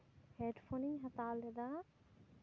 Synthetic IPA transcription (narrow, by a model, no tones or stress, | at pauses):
heːɖfoːnĩŋɦɐt̪aːlɐd̪ã